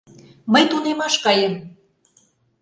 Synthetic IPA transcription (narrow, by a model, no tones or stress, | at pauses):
məjt̪unemɑʃkɑjəm